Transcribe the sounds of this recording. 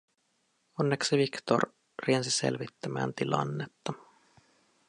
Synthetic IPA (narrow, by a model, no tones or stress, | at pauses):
onːeksiʋikt̪o̰r | riensise̞̰lʋit̪ːæmæːnt̪ilɑ̰nːet̪ːɑ